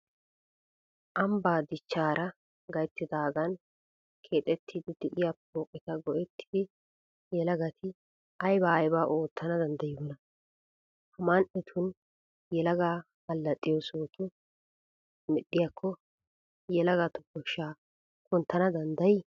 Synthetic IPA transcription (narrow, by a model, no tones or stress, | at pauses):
ʔɐmbaːd̪ɪt͡ʃːaːɾɐ | ɡɐjt̪ːɪd̪aːɡɐn | kʰe̞ːt̪ʼɛt̪ʰːid̪ɪd̪ɪʔɪjap̚oːkʼɛt̪ɐɡɔʔɛt̪ːɪ̥d̪ɪ | jɛlɐɡɐt̪ʰɪ | ʔɐjbaːjbaːʔoːt̪ʰːɐnɐd̪ɐnd̪ɐjoːnɐ | hɐmanʔɛt̪ʰʊn | jɛlɐɡaː | ɐlːɐt̪ʼːɪjɔsoːt̪ʊ | mɛɗːɪjakʰːɔ | jɛlɐɡat̪ɔkːɔʃːaː | kɔnt̪ːɐnɐd̪ɐnd̪ɐj